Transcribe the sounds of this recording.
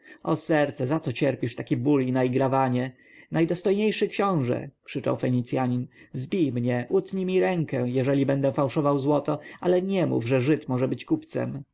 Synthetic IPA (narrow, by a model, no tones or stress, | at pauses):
ɔsɛɾt̪sɛzat̪sɔt͡ɕɛɾpʲiʂt̪akʲibulʲinaiɡɾavaɲɛ | najd̪ɔst̪ɔjɲejʂɘkɕɔ̃w̃ʐɛ̰kʂɘt͡ʂa̰wfɛɲit̪sjaɲinzbʲijmɲɛʔut̪ɲimʲiɾɛŋkɛjɛʐɛlʲibɛnd̪ɛfawʂɔvawzwɔt̪ɔalɛɲɛmṵvʐɛʐɘt̪mɔʐɛbɘt͡ɕkupt̪sɛ̰m